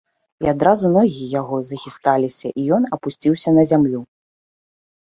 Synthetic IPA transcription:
iad̪ɾazunɔɣʲiɐjaɣɔzɐxʲist̪alʲisʲɐʔijɔnɐpusʲt͡sʲiwsʲɐnɐzʲamlʲu

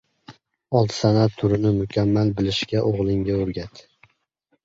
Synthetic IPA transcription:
ɒlˠt̪ʰsanat̪ʰːʊɾɪnɪmʊkʲʰamːalbɪlɪʃɡʲaʔoʁlˠɪŋɡʲaoɾɡʲat̪

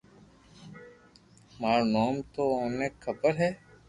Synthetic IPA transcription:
maːɾnaːmt̪oːoːneːkʰəbəɾɦɛː

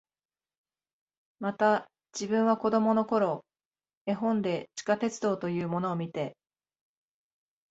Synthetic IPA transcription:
mat̪a | d͡ʑibɯ̟̃ɰ̃β̞ako̞d̪o̞mo̞no̞ko̞ɾo̞ | e̞ɦõ̞nd̪e̞t͡ɕi̥kat̪e̞t͡sɨd̪o̞ːt̪o̞jɯ̟ːmo̞no̞ːmʲit̪e̞

